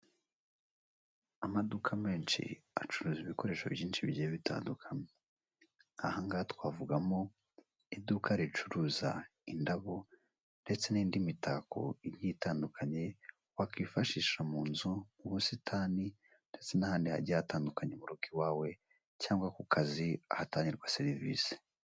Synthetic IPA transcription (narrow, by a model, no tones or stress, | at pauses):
amadukʰame̞ːnt͡ʃḭa̰t͡ʃuɾuːziβiko̞ɾe̞ːʃo̰vjiːnʃiβɟieβitʰa̰ːndukʰame | ahaŋɡatkwaːvuɡamo̞ | idukʰaɾit͡ʃuɾuːza̰indaβo | nde̞t͡se̞niːndimitʰako̞̰iɾjitaːndukʰaɲe̞ | wakifaʃiːʃamuːnzuuβusitʰaːni | nde̞t͡se̞nahaːndiha̰ɾɟiataːndukaɲe̞muɾukiwaːwe̞ | caːŋɡwakukʰaziahataːɲiɾɡwaseɾivise̥